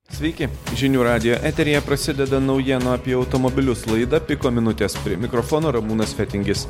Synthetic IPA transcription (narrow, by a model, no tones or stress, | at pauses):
sʲʋʲɛɪkʲɪʒʲɪnʲuːɾɑːd̪ʲɪjoːʔæːt̪ʲɛɾʲɪjɛpɾɐsʲɪd̪ʲɛd̪ɐnɒʊjɛnoɐpʲiɛɒʊt̪ɔmɔbʲɪlʲʊslˠɐɪd̪ɐpʲɪkoːmʲɪnʊt̪ʲeːspʲɾʲɪɛmʲɪkɾɔfɔːnoːɾɐmuːnɐsfʲɛt̪ʲɪŋʲɡʲɪs